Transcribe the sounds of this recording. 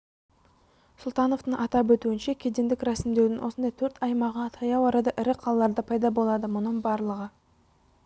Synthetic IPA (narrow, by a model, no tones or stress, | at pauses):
sʊlˠt̪ɑno̞ft̪əɴʔɑt̪ɑp̬wɵt̪uɪnʃekʲʰed̪e̞nd̪ɪkɾɑsɪmd̪ed̪ɪnwʔo̞sənd̪ɑjt̪ʰɵɾt̪ɑjmɑʁət̪ʰɑjɑwɑɾɑd̪ɑʔɪɾɪqʰɑlˠɑlˠɑɾd̪əpʰɑjd̪ɑbo̞lˠɑd̪əmʊnəɴbɑɾlˠəʁə